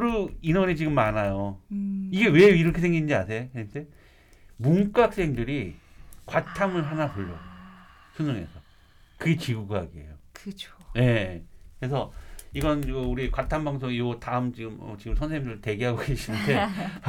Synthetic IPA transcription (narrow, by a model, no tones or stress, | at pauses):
ɾuinʌnet͡ɕiɡɯmːanajo | iɡe̞we̞iɾʌkʰe̞sʰeŋɡinnd͡ʑiasʰe̞esʰe | muŋk͈ak̚s͈e̞ŋdɯɾikwatʰamɯɭɦanapoʎːʌ | sʰɯnʌŋe̞̰sʰʌ | kɯɡe̞t͡ɕiɡuɡɦaɡiḛjokɯt͡ɕoje̞kɯɾe̞s̬ʰʌiɡʌnɯuɾikwatʰambaŋsʰoŋijotaɯmt͡ɕiɡɯmʌ̰t͡ɕiɡɯmsʰʌnsʰeŋidɯɭte̞ɡeɦaɡoɡe̞ɕʰinɯnde̞